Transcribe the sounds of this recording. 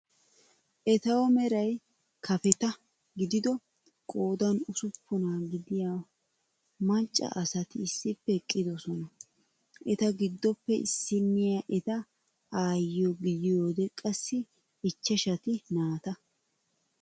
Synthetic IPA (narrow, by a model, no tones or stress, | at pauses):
ʔɛt̪ɐwɔmɛɾɐj | kʰɐfɛt̪ɐ | ɡɪd̪ɪd̪ɔ | kʼo̞ːd̪ɐnʊsʊpːʊnaɡɪd̪ɪjaː | mɐt͡ʃʼːɐ̰ʔɐsɐt̪ɪːsːɪpːɛkʼːɪd̪ɔsɔnɐ | ʔɛt̪ɐɡɪd̪ːɔpːɛɪ̰sːɪnːɪjaʔɛt̪ɐ | aːjɔɡɪjɪjoːd̪ɛkʼɐsːɪː | t͡ʃːɛʃɐt̪ɪnaːt̪ɐ